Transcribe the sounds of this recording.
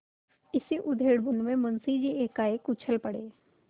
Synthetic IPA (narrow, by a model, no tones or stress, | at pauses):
ɪsiʔʊd̪ʱeːɽbʊnmẽmʊnsid͡ʒieːkaːekʊt͡ʃʰəlpɐɽeː